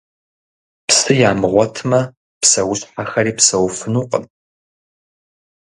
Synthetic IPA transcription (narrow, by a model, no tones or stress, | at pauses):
psɨjaːmʁʷɔtʰmɐ | psɐwʊɕħaxɐɾiːpsɐwfɨnuːqə̰n